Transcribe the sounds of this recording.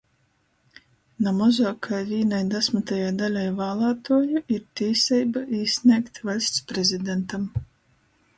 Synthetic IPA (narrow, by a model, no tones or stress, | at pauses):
namɔzaːkʰajviːnajd̪asmat̪ajaːd̪alʲajvaːlˠaːt̪uɔjuiɾt̪ʲiːsʲɛjbaʔiːsʲnʲiɛkt̪valʲsʲt̪spɾɛzʲid̪ɛnt̪am